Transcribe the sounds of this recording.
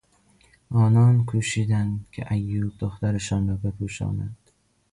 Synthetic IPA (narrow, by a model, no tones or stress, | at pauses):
ʔɒːnɒnkʰuːʃiːd̪ænkʲʰḛʔæjːuːb̚d̪oxt̪æɾɪʃɒːnɾɒːbepʰuʃɒ̰ːna̰d̪̥